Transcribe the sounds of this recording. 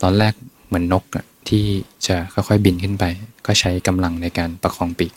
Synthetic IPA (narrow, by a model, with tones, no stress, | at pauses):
t̪ɔː˧nlɛː˥˩k̚ | mɯ˩˦ənːo˦˥k̚a˨˩ | t̪ʰiː˥˩t͡ɕa˨˩kʰɔ˥˩jxʰɔ˥˩jbi˧nkʰɯ˥˩npa˧jkɔː˥˩t͡ɕʰa˦˥jka˧mla˧ŋna˧jkaː˧npa˧kʰɔː˧ŋpiː˨˩k̚